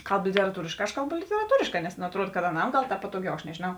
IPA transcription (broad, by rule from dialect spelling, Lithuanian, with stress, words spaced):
ˈkɐlˠp lʲɪtʲɛrɐˈtuːrʲɪʃˌkɑː ɐʃ ˈkɐlˠˌbʊ lʲɪtʲɛrɐˈtuːrʲɪʃˌkɑː nʲɛs nʊ ɐtˈruɔt kɐt ɐˈnɐm ˈɡɐlˠ ˈpɑːtoːˌɡʲɛʊ ɐʃ nʲɛʒʲeːˈnɐʊ